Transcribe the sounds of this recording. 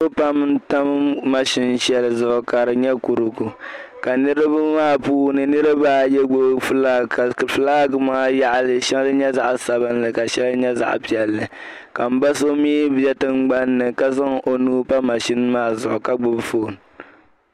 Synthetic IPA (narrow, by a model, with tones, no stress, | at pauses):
o˦pa˦m˦n̩˦ta˦m˦ma˦ʃɪ˦n˦ʃɛ˦lɨ˨zʊ˨ʔʊ˨ka˨ɾɨ˨ɲɛ˦ku˨ɾʊ˨ɡu˨ka˨nɨ˦ɾɨ˦ba˦maː˦˨puː˦nɨ˨nɨ˦ɾɨ˦baː˦˨jɛ˦ɡ͡bʊ˦bfɨ˦laː˦˨kfɨ˨laː˦ɡɨ˨maː˦ja˦ʔa˨lɨ˨ʃɛ˦ŋ˦lɨ˦ɲɛ˦za˦˨ʔsa˨bɨ˦nlɨ˨ka˨ʃɛ˦lɨ˦ɲɛ˦za̰˨ʔpi˨ɛ˨lːɨ˨ | ka˨m̩˦ba˦so˦miː˦bɛ˦tɨ˦mɡ͡ba˦nːɨ˨ka˦za˦ŋʔo˨nuː˦pa˦ma˨ʃɪ˦n˦maː˦zʊ˨ʔʊ˨ka˦ɡ͡bʊ˦bfo˦˨n